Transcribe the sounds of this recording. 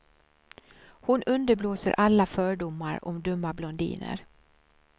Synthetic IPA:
hʊnɵnd̪əɾbloːsəɾʔalːafœːɖʊmːaɾɔ̰md̪ɵmːablɔnd̪ḭːnə̰ɾ

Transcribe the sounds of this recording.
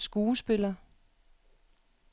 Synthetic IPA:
sɡ̥uːsb̥e̝lɐ

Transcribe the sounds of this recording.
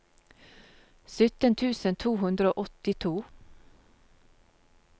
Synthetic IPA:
sʏt̪ənt̪ʰʉːsənt̪ʰuːhʉnd̪ɾəoːʔɔt̪ɪt̪ʰuː

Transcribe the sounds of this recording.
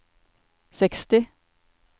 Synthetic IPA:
sɛkst̪ɪ

